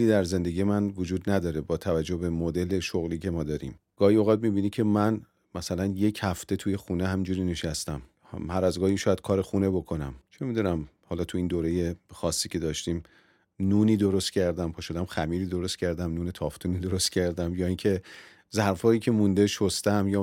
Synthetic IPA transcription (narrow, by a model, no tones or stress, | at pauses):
liːd̪æɾze̞nd̪e̞ɡijemænvod͡ʒuːd̪næd̪ɒːɾe̞bɒːt̪ʰævæd͡ʒːohbe̞mod̪e̞le̞ʃoɣliːcʰe̞mɒːd̪ɒːɾḭm | ɡ̥ɒːhimoɣɑd̪̚mibiːnikcʰe̞mæn | mæsælænje̞cʰhæft̪e̞t̪ʰuje̞xuːneɦæmind͡ʒuɾiːne̞ʃæst̪æm | hæɾæzɡɒːhiʃɔːjæd̪̚kʰɒːɾexune̞bo̞kʰo̞næmt͡ʃʰe̞mid̪unæmhɒːlɒːt̪ʰuiːnd̪oːɾe̞je̞xɒːsːiːcʲʰe̞d̪ɒːʃt̪iːm | nuːniːd̪o̞ɾost̪cʰæɾd̪æmpʰoʃod̪æmxæmiːɾiːd̪o̞ɾost̪cʰæɾd̪æmnuːne̞t̪ʰɒːft̪ʰuːniːd̪o̞ɾost̪̚cʲʰæɾd̪æmjɒːiːŋcʰe̞ | zæɾfɒːjiːcʰe̞mund̪e̞ʃost̪æmjɒː